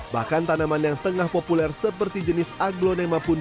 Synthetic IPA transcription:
ba̰hkant̪anamanjaŋt̪əŋahpopulɛrsəpərt̪id͡ʒənɪsaɡlonemapun

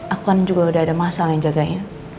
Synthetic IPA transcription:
ʔakuand͡ʒuɡaudaadamasalajaŋd͡ʒaɡaɲa

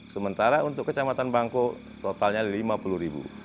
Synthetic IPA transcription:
səmənt̪aɾaunt̪ʊkːət͡ʃamat̪anbaŋko | t̪ot̪alɲalimapuluhɾibṵ

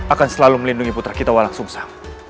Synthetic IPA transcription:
akansəlaluməlinduŋiput̪ɾahkit̪awalaŋsʊŋsḁ

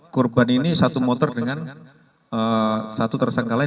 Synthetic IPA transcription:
kurbaninisat̪umɔt̪ɔrdəŋan | əsat̪ut̪ərsaŋkala

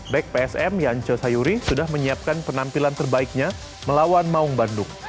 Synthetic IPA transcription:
bɛk̚peɛsɛmjaɲt͡ʃəsajuɾisudahməɲiap̚kanpənampilant̪ərbaik̚ɲa | məlawanmauŋbandʊŋ̚

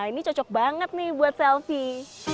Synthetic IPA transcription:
init͡ʃɔt͡ʃɔk̚baŋət̪̚nɪhbuat̪̚sɛlfi

